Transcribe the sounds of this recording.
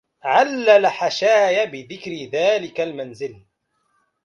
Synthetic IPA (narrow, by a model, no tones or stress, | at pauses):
ʕalːalaħaʃaːjabɪðɪkɾɪðaːlɪkalmanzɪl